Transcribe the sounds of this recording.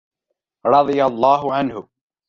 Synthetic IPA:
ɾˤɑd̪ˤɨjalˤːɑːɦʊʕanhʊ

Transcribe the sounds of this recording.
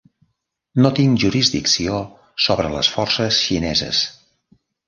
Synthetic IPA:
not̪iŋʒuɾizd̪iksio | soβɾələ̰sfɔrsəsʃinɛzə̰s

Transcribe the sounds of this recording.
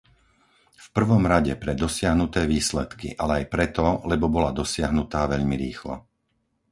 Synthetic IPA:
fpr̩ʋɔmɾaɟɛpɾɛd̪ɔsɪaɦnut̪ɛːʋiːslɛt̪kḭʔalɛajpɾɛt̪ɔlɛbɔbɔlad̪ɔsɪaɦnut̪aːʋɛʎmiɾiːxlɔ̰

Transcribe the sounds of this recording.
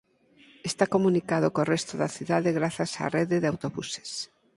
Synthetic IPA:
est̪akomunikað̞okorest̪oðaθiðaðeɣɾaθasa̰reðeðawt̪oβuse̥s

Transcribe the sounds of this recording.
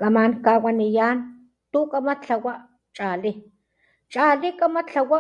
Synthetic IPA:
kamaŋkawanijaːn | t̪ukamat͡ɬawaʔ | t͡ʃʼali | t͡ʃalikamat͡ɬawa

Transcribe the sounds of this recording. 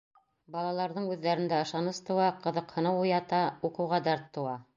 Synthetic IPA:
bɑlˠɑlˠɑɾðɤɴʉðːæɾɘ̆nd̪æɤ̆ʃɑnɤst̪ɤ̆wɑqɤ̆ðɤqhɤ̆nɤwujɑt̪ɑuqɤ̆wʁɑd̪ɑɾt̪ːɤ̆wɑ

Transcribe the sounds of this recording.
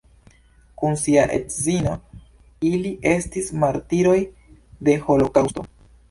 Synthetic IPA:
kunsiaʔḛtzino̞ | iliʔe̞stismaɾtiɾo̞j | de̞ho̞lo̞kawsto̞

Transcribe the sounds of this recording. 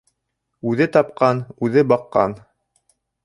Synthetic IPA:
ʉðɘt̪ɑpqɑnʉðɘbɑqːɑ̰n

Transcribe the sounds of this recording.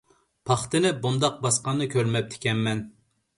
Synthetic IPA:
pʰɑχt̪ɨnɪbund̪ɑq̚bɑsqɑnːɨkʲʰøɾmɛp̚t̪ʰɪ̥kʲɛnmɛn

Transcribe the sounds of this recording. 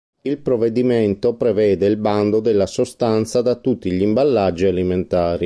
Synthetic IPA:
ilpɾoved̪iment̪opɾevɛːd̪eilband̪od̪elːasost̪ant̪sad̪at̪ːut̪ːiʎimbalːad͡ʒːialiment̪aːɾi

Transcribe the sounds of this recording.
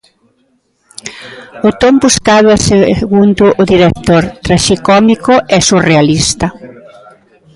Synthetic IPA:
ʊt̪ombuskaðʊaseɣund̪ʊʔʊðiɾekt̪oɾt̪ɾaʃikɔmikʊɛsurealist̪ɐ

